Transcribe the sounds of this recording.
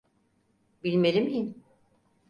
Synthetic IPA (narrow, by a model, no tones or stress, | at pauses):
bilʲmeɾimijin